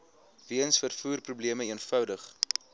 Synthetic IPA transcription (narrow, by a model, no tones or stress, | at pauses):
viənsfərfuːrprubliəməiənfœwdəχ